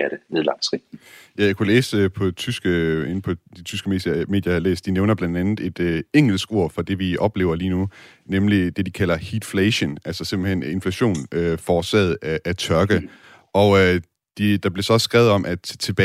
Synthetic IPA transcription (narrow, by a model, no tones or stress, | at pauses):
æɾ̥əneðˠlɑ̈ŋ̥t͡sʰʁiːjɑkʰulḛːspʰɒ̽t͡sʰysɡ̥əe̝n̩pʰɒ̽d̥it͡sʰysɡ̥əme̝̰ːsjjme̝̰ːd̥jɐhɑlḛːsd̥ineʊnɐb̥lænd̥ænð̩ˠe̝d̥eŋ̰l̩sɡ̥o̝ɐ̰fɒ̽d̥e̝ʋiʔɒ̽b̥le̝̰ːʊɐliːnu | nemlid̥e̝d̥ikʰæl̰ɐhiːd̥fleɕənælsɐse̝mb̥̩hen̰e̝nflæɕo̝̰ːnøfɒːsɛ̰ð̩ˠæʔæt͡sʰɶɐɡ̥ə | ʔɒ̽ø | d̥id̥ɑ̈b̥le̝sɒ̽sɡ̥ʁɛʊð̩ˠɒ̽mʔæt͡sʰe̝b̥